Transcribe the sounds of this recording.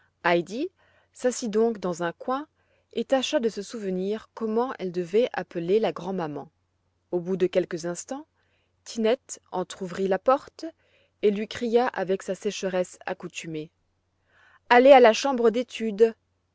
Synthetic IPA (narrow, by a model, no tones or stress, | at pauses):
ajd̪i | sasid̪ɔ̃kd̪ɑ̃zɛ̃kwɛ̃ | et̪aʃad̪əsəsuvəniʁkɔmɑ̃ʔɛld̪əvɛʔapəlelaɡʁɑ̃mamɑ̃ | obud̪əkʲɛlkəzɛ̃st̪ɑ̃ | t̪ʰinɛt̪ɑ̃t̪χuvʁilapɔʁt̪ | elɥikχijaʔavɛksasɛʃəʁɛsa̰kut̪yme | alealaʃɑ̃bʁəd̪et̪yd̪